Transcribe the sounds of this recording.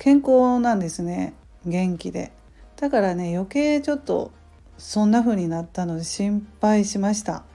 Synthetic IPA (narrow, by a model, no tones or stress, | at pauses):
kʰẽ̞ŋko̞ːnãnd̪e̞sɨne̞ | ɡẽ̞ŋkʲid̪e̞̰ | d̪̥akaɾane̞jo̞ke̞ːt͡ɕo̞t̪ːo̞̰ | sõ̞nːaɸɯ̟ːɲ̟inat̪ːano̞d̪e̞ɕĩmpaiɕimaɕi̥t̪a̰